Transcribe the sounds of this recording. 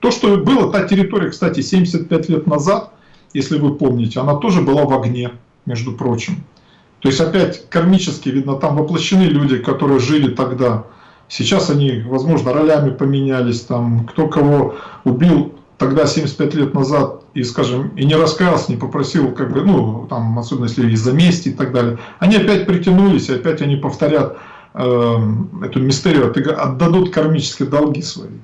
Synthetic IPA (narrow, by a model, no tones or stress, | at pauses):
t̪o̞ʂt̪obɨlˠət̪atʲɪɾʲɪt̪oɾʲɪjəkst̪atʲɪsʲemʲdʲɪsʲət̪̚pʲætʲlʲe̞t̪nɐzat̪ | jesʲlʲɪvɨpomnʲɪtʲɪɐnat̪o̞ʐɨbɨlˠavɐɡnʲe̞ | mʲeʐd̪ʊpɾo̞t͡ɕɪm | t̪o̞ɪsʲɐpʲætʲkɐrmʲit͡ɕɪskʲɪvʲid̪nət̪amvəplˠəɕːɪnɨlʲudʲɪkɐt̪o̞ɾɨjəʐɨlʲɪt̪ɐɡd̪a | sʲɪt͡ɕasɐnʲivɐzmo̞ʐnəɾɐlʲæmʲɪpəmʲɪnʲælʲɪsʲt̪amkt̪o̞kɐvo̞ʊbʲilˠt̪ɐɡd̪asʲemʲɪsʲtʲpʲætʲlʲet̪nɐzat̪̚ | iskaʐɨminʲɪɾɐskalˠsʲənʲɪpəpɾɐsʲilˠkaɡ̚bɨnut̪amɐso̞bʲɪnəsʲlʲɪɪzɐmʲesʲtʲɪːt̪ɐɡ̚d̪alʲɪjəɐnʲiɐpʲæt̚ʲpɾʲɪtʲɪnulʲɪsʲɪɐpʲætʲɐnʲipəft̪ɐɾʲat̪ | ə | ɛt̪ʊmʲɪst̪ɛɾʲɪjʊɐt̪ɨɡɐ̰d̪ːɐd̪ut̪kɐrmʲit͡ɕɪ̥skʲɪjəd̪ɐlˠɡʲisvɐ̰ḭ